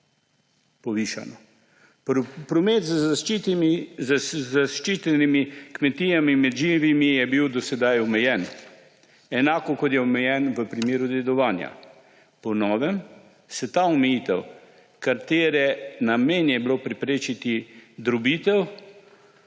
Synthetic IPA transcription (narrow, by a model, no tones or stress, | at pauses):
pɔʋiːʃa̰nɔ | pɾɔmet̪z | zaʃt͡ʃiːt̪ɛnimikmɛt̪ijamimɛd̪ʒiʋimijɛbiwd̪ɔsɛd̪ajɔmɛjɛn | ɛnaːkɔkɔt̪jɛɔmɛjɛnʋəpɾimeːɾud̪ɛd̪ɔʋaːnja̰ | pɔnɔːʋɛm | sɛt̪aːɔmɛjiːt̪ɛw | kaɾt̪eːɾɛnameːnjɛbilopɾɛpɾeːt͡ʃit̪id̪ɾɔbiːt̪ɛw